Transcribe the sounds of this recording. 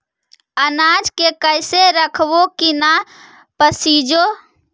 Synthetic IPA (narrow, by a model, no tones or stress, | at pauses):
ənad͡ʒkekəɪseɾəkʰbokina | pəsiːd͡ʒo